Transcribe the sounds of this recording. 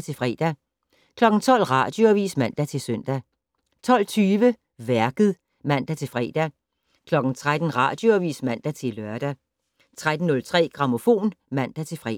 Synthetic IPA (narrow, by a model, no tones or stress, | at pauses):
t͡sʰe̝lfʁɛ̰d̥æ | kʰlɒ̽ɡ̥n̩t͡sʰɒ̽l̰ʁɑ̈d̥joæʋḭːsmæn̰d̥æt͡sʰe̝sœn̰d̥æ | t͡sʰɒ̽l̰t͡sʰyːʋə | ʋæɐɡ̥ð̞̩ˠ | mæn̰d̥æt͡sʰe̝lfʁɛ̰ːd̥æ | kʰlɒ̽ɡ̥n̩t͡sʰʁad̥n̩ʁɑ̈d̥joʋḭːsmæn̰d̥æt͡sʰe̝lɶɐd̥æ | t͡sʰʁad̥n̩ːɔ̽lt͡sʰʁɛ̰ːɡ̥ʁɑ̈mo̝fo̝̰ːnmæn̰d̥æt͡sʰe̝lfʁɛ